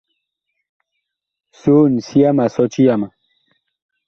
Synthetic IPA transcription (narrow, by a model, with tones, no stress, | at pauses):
so˦n̩˨si˦a˦ma˨sɔ˦t͡ʃi˦ja˦ma˨